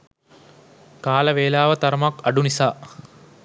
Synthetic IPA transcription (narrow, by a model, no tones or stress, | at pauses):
kaːlɐʋeːlaːʋət̪ɐɾɐmakɐɖunisaː